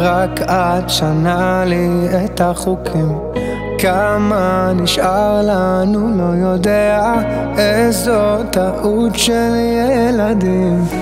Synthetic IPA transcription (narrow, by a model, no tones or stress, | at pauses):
ʁakʰʔad̪ʃanaliet̪aχukʰim | kamaniʃʔaʁlanulojod̪ea | ezot̪aʔut̪ʃelijejɛlad̪im